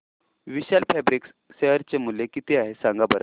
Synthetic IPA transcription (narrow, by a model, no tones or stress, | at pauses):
ʋiɕalpʰæbɾiks | ɕeɦəɾt͡ɕemulːekit̪eaɦesãŋɡabəɾə